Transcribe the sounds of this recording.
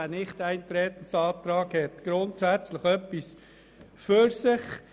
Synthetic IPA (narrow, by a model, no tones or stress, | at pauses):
ænɪχtæɪnt̪ɾɛːt̪ən̩sɑːt̪ɾɑːɡhɛt̪ɡ̥ɾʊntsæt͡sləχœpːis | føɾsɪχ